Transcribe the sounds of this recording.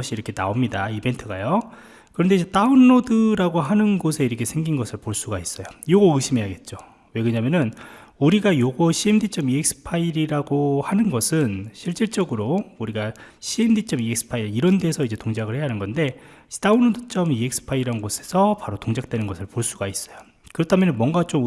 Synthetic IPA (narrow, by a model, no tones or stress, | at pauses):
ɕ͈ʰiiɾʌkʰe̞na̰omɲidaibe̞ntʰɯɡajo | kɯɾʌnde̞id͡ʑe̞t͈aunːodɯɾaɡoɦanɯnɡosʰe̞iɾʌkʰe̞sʰe̞ŋɡinɡʌsʰɯɭpoɭs͈uɡais͈ʌjojoɡoɯɕʰimɦe̞jaɡe̞t̚t͡ɕ͈o | we̞ɡɯɲamjʌnɯn | uɾiɡajoɡʌɕʰiemdit͡ɕ͈ʌmiek̚s͈ɯ̥pʰaiɾiɾaɡohanɯnɡʌsʰɯnɕʰiɭt͡ɕ͈iɭt͡ɕ͈ʌɡɯɾouɾiɡaɕʰiemdit͡ɕ͈ʌmiek̚s͈ɯ̥pʰaiɾiɾʌndeːsʰʌid͡ʑe̞toŋd͡ʑaɡɯɭhe̞anɯnɡʌnde̞̥ | taunːodɯt͡ɕ͈ʌmiek̚s͈ɯ̥pʰaiɾiɾanɯnɡosʰe̞̥sʰʌpaɾotoŋd͡ʑak̚t͈we̞nɯnɡʌsʰɯɭpoɭs͈uɡais͈ʌjo | kɯɾʌtʰamjʌnɯnmwʌŋɡat͡ɕ͈om